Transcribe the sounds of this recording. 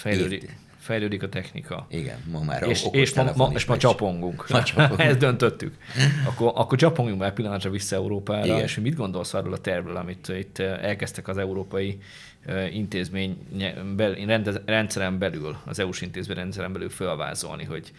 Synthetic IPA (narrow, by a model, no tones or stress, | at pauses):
fɛjløːd̪i | fɛjløːd̪ikɒt̪ɛxnḭkɒ̰iɡɛ̰nmɔma̰ːeːʃeːʃmɔmɒeːʃmɒt͡ʃɒpo̞ŋɡuŋkɛzd̪ønt̪øt̪ːykɒkːoʔɒkːort͡ʃɒpo̞ŋɡjuŋmaːlpilːɒnt̪rɒvisːɒɛuɾoːpaːɾɒḛʃhoɟmid̪ɡo̞nd̪o̞lsɒrɾoːlɒt̪ɛrvlølɒmit̪it̪ːɛlkɛst̪ɛkɒzɛuɾoːpɒji | int̪eːzmeːɲɛbɛrɛnrɛnt̪sɛɾɛmbɛlylɒ̰zɛuʃint̪eːzmeːɲrɛnt̪sɛɾɛmbɛly̰lfølva̰ːzo̞̰lnḭɦo̞̰ɟ